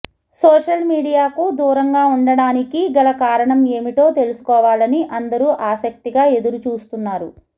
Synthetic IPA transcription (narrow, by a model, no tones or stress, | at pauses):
sɔːʂɐlmiːɽijaːkud̪uːɾɐŋɡaːuɳɖɐɽaːnikiɡɐɭɐkaːɾɐɳɐme̞ːmiʈo̞ːt̪e̞lusu̥kɔːʋaːlɐniʔɐnd̪ɐɾuːʔaːsɐk̚t̪iɡaːe̞d̪uɾut͡ʃuːst̪unːaːɾu